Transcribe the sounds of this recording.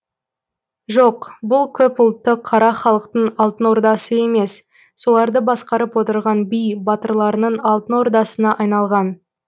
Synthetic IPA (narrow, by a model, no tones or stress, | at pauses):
ʒoqbʊlˠkʲʰɵpʊlˠt̪ːəqʰːɑɾɑχɑlˠəqt̪əɴɑlˠt̪ənwo̞ɾd̪ɑsəe̞me̞s | so̞lˠɑɾd̪əbɑsqɑɾəpwo̞t̪əɾʁɑnbijbɑt̪əɾlˠɑɾənəɴɑlˠt̪əno̞ɾd̪ɑsənɑʔɑjnɑlˠʁɑn